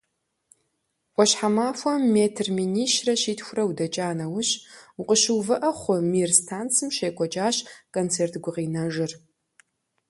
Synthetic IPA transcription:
ʔʷʼɔɕħamaːfʷɔmːeːtʰrminiːʃrɐɕiːtxʷʊrɐwdɐt͡ʃʼaːnɐwʊɕʊqʷʼəɕɨwvɨʔɐχʷʊmirstʰaːnt͡sʰɨmʃejkʷʼɔt͡ʃʼaːɕkʼont͡sʰeːrtʰɡʷʊqiːnɐʒɪr

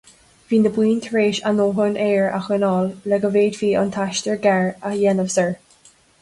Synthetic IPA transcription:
viːnəbwiːnt̪ʰəɹeːʃanoːɦʊnʔeːɹa̰xənɔːlːɛɡəveːdviːʔɔ̰nt̪ʰaʃt̪əɹɡɛɹəjɛnəvsəɹ

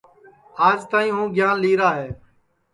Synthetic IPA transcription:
aːd͡ʒt̪aːĩːɦũːɡʱjaːnliːɾaːɦeː

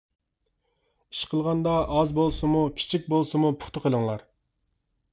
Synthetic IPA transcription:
iʃqʰəlˠʁɑnd̪ɑʔɑzbolˠsɨmukʲʰi̥t͡ʃʰik̚ʲbolˠsɨmupʰʊ̥χt̪əqʰəlˠəŋlˠɑɾ

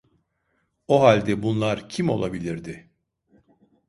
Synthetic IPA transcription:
oɦalʲd̪ɛbunlˠaɾcʰimo̞̰lˠabilʲiɾd̪ɪ

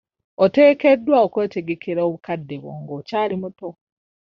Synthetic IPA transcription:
ote̞ːkedːwaokweːteɡekeɾaoβukadːeβo̰ːŋɡoːcaːlimuto

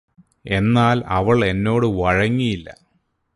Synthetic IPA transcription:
e̞nːaːlɐʋɐɭe̞nːo̞ːɽɨʋɐɻɐŋːijilːɐ̰

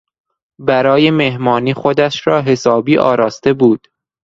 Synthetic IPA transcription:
bæɾɒːje̞mehmɒːniːxod̪æʃɾɒːɦe̞sɒːbiːʔɒ̰ːɾɒːst̪e̞buːd̪̥

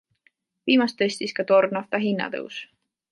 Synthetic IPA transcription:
viːmɑst̪esʲt̪iskɑt̪o̞rnɑft̪ɑɦinːɑ̰t̪ɤ̰ws

